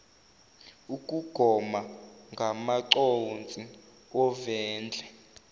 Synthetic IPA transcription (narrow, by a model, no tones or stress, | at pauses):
ukʼuɡ̥ʱɔmaŋɡʱamaǀont͡sʼi | ɔvɛːnd͡ɮʱɛ